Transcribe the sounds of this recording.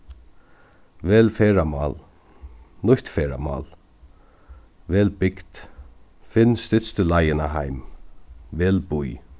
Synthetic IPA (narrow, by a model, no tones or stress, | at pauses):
vɛːlfɛːɾamɑ̰ːl | nʊçht̪fɛːɾa̰ma̰ːl | vɛːlbɪkt̪ | fɪnːst̪ɪt̪st̪ʏlajɪnaɦajm | vɛːlbuj